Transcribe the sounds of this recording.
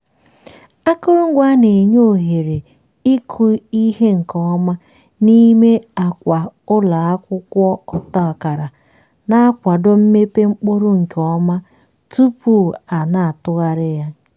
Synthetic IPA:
a˦kʊ˦ɾʊ˦ŋ̩˦ɡʷa˦ne˨ɲo˦˨ɦe˨ɾe˨ | i˦kʰu˨i˦ɦe˦ŋ̩˨kɔ˨˦ma˦ | ni˦me˦a˨kʷa˨ʊ˦la˨a˦kʷʊ˦kʷɔ˦ɔ˨tɔ˦˨ka˨ɾa˨ | na˦a˦kʷa˨dʊ˦m̩˦me˦pe˦ŋ͡m̩˦k͡po˦ɾo˦ŋ̩˨kɔ˦ma˦ | tu˦pu˦˨a˨na˨a˨tʊ˦ɣa˦ɾɪ˦ja˦

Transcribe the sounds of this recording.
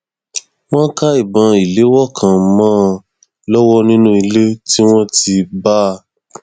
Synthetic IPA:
w̃ɔ̃˦ka˦i˨bã˨˦i˨le˨˦wɔ˦˨kʰã˨˦mãː˦ | lɔ˦wɔ˦nĩ˦nũ˦i˧le˦ti˦w̃ɔ̃˦ti˧ba˦˧

